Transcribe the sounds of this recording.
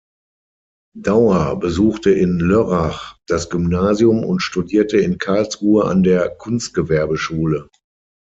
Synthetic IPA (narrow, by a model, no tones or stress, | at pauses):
d̥aʊabəzuːxtəʔɪnløʁaχd̥asɡ̥ʏmnaːzjʊmʊ̰ntʃtudiːɐtəɪnkʰaɐlsʁuːəa̰ndeːɐkʰʊnst̚ɡ̥əvɛɐbəʃuːlə